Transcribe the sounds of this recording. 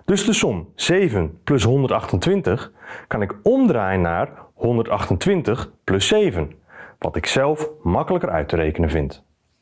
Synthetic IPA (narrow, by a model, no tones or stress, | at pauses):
d̥ɵzdəsɔmz̥ejvənplɵsɦɔndərtɑxtəntʋɪntəxkɑnɪkɔmdraːjənːaːrhɔndərtɑxtəntʋɪntəxplɵsejvənʋɑ̰tɪksɛlˠfmɑkələkəɾʔœ̰ɥtəɾejkənənvɪnt